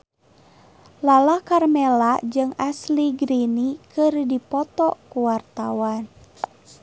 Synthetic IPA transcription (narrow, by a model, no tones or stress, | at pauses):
lalakarmɛlad͡ʒɨŋasliɡɾinikɨrdipɔt̪ɔkuwart̪awan